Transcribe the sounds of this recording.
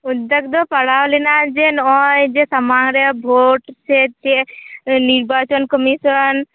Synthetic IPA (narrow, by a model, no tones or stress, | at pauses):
ud̪ək̚d̪ɔpəɽawlɛnad͡ʒenɔjd͡ʒesamaɡɾəbʱoʈset͡ʃeniɾbat͡ʃɔnkɔmisən